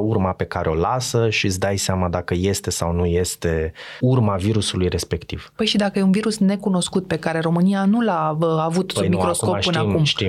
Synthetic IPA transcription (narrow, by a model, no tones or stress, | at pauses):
uɾmape̞kaɾeo̞lasəʃisd̪ajseamad̪akəje̞st̪e̞sa̰wnuje̞st̪e̞urmaviɾusulujre̞spe̞kt̪iv̥pəjʃid̪akəjeunviɾusne̞kuno̞skut̪̚pe̞kaɾe̞ɾo̞mɨnijanulaavut̪mikɾo̞skopɨnakumʃi